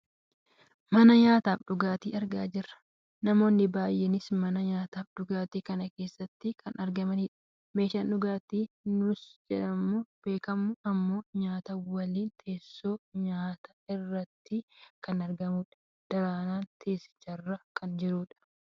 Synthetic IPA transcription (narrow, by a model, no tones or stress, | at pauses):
mɐnɐɲaːt̪aːfɗʊɡaːt̪ḭːɐɾɡa̰ːd͡ʒɪrːɐ̥ | nɐmo̞ːnːɪbaːjʔɛnɪsmɐnɐɲaːt̪aːfɗʊɡaːt̪iːkɐnɐke̞ːsːɐt̪ːɪkʰɐnʔɐɾɡɐmɐniːᶑɐ̥ | me̞ːʃaːnʊɡaːt̪iː | nʊsd͡ʒɛᶑɐmːuːb̥e̞ːkɐmːʊɐmːo̞ːɲaːt̪ɐwɐliːnt̪ʰe̞ːsːoːɲaːt̪ɐɪrːɐt̪ːɪkɐnɐɾɡɐmuːᶑɐ̥ | d̪̥ɐɾaːnaːnt̪ʰe̞ːsɪ̥t͡ʃːɐrːɐkʰɐnd͡ʒɪɾuːᶑɐ̥